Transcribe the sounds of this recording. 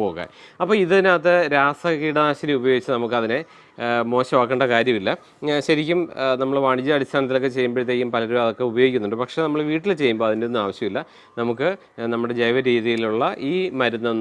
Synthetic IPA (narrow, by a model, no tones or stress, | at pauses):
po̞ːɣa̰ːjɐpːoːiðɨinːaːt̪ːɨɾaːsɐkːiːɽɐnaːɕɐɾiɐmubɐjoːɡit͡ɕːɨnɐmukːɨɐðine | mo̞ːɕɐmaːk̬ːeɳɖɐkaːɾjɐmilːɐ | ɕɐɾikʲːumnɐmːɐɭʋaɳit͡ɕːɨɐɽist̪ʰaːnɐt̪̬ːilo̞kːet͡ɕe̞jːumbeɾit̪ːeːkʲːumpɐlɐɾuɐðo̞kːe̞ubɐjo̞ːɡikʲːunːuɳɖɨpɐkʂe̞nɐmːɐɭʋiːʈːilt͡ɕe̞jːumbo̞ːɐðindeonːumaːʋɐɕjɐmilːɐ | nɐmukːɨ | nɐmːuɽe̞d͡ʑejʋɐɾiːðijiluɭːɐʔiːmɐɾunːɐ